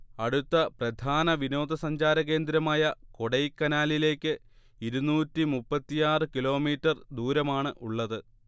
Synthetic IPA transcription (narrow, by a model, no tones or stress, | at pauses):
ɐɽut̪ːɐprɐd̪ʱaːnɐʋino̞ːd̪ɐsɐɲd͡ʑaːɾɐɣe̞ːnd̪ɾɐmaːjɐko̞ɽɐjkːɐnaːlile̞ːkʲːɨ | iɾunuːtːimupːɐt̪ːijaːrɨkilo̞ːmiːtːɐrd̪uːɾɐmaːɳɨʔuɭːɐðɨ